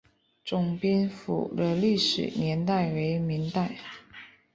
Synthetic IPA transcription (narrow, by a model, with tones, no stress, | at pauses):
ʈ͡ʂʊ˨˩ŋpi˥nfṵ˨˩lə˧˦li˥˩ʂɻ̩̰˨˩njɛ˧˥nt̪̬a˥˩ɪwe˧˥ɪmi˧˥ŋt̪a˥˩ɪ